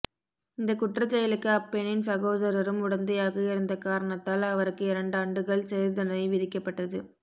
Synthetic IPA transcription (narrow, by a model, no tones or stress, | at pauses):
ɪnd̪ɐkʊʈrɐt͡ʃːɛjɐlɯkːɯɐpːɛnɪnsɐɣoːðɐɾɐɾɯmʊɽɐnd̪ɐjaːɣɐɪɾɯnd̪ɐkaːɾɐɳɐt̪ːaːlɐʋɐɾɯkːɯɪɾɐɳɖaːɳɖɯɣɐɭsɛɾðɐnɐɪʋɪðɪkːɐpːɐʈːɐðɯ